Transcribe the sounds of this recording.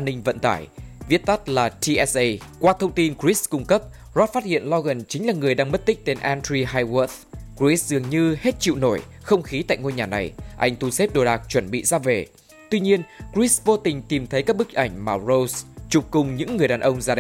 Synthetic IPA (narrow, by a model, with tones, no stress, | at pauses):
ʔa˧nːï˧ŋ̟və̰˧˨nt̪a̰ː˧˩jvi˦˥ət̚t̪a˦˥t̚laː˨˩t̪ʰi˧ʔɛ˦sʔə˧jkwaː˧t̪ʰə˧wŋ͡mt̪i˧nkɹi˦˥skʊ˧ŋ͡mkə˦˥p̚ | zɔ˦˥t̚faː˦˥t̚hḭ˧˨ənlɔ˧ɣə˨˩nt͡ɕï˨˦ŋ̟laː˨˩ŋɨ˨˩əjɗaː˧ŋmə˦˥t̚t̪ï˦˥k̚t̪e˧nʔa˧ntɾi˧ɦaː˧jwə˦˥t̪ | kɹi˦˥szɨ˨˩əŋɲɨ˧he˦˥t̚t͡ɕḭ˧˨wno˧˩j | xə˧wŋ͡mxi˨˦t̪a̰ː˧˨jŋo˧jɲaː˨˩na˨˩jʔa̰˧jŋ̟t̪u˧˩se˦˥p̚ɗo˨˩ɗaː˨˩k̚t͡ɕwə˧˩nɓḭ˧˨zaː˧ve˨˩ | t̪wi˧ɲi˧ənkɹi˦˥svo˧t̪ï˨˩ŋ̟t̪i˨˩mt̪ʰə˨˦jkaː˦˥k̚ɓɨ˦˥k̚ʔa˧˩jŋ̟maː˨˩zo˧wst͡ɕʊ˨˩p̚kʊ˨˩ŋ͡mɲɨ̰˧˥ŋːɨ˨˩əjɗaː˨˩nʔə˧wŋ͡mzaː˧ɗ